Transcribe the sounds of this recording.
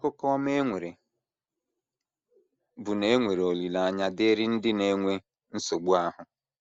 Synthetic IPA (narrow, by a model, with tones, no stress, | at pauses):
kʊ˦kɔ˦m˦e˦ŋʷe˨ɾe˨ | bʊ˨ne˦ŋʷe˨ɾe˨o˨li˨la˨a˦˨ɲa˦dɪ˦ɾɪ˦n̩˦dɪ˦ne˦ŋʷe˦ | n̩˦so˨ɡ͡bu˦a˦ɦʊ˨